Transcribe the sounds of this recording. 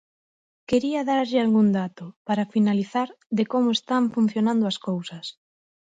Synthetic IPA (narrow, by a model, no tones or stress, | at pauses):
keɾiɐðaɾʎɪalɣund̪at̪ʊpaɾafinaliθaɾ | ðekomoest̪aɱfun̟θjonãnd̪ʊaskowsɐs